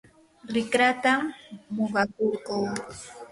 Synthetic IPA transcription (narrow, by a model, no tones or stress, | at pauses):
ɾɪkɾat̪aːoɢɑkoɾkuw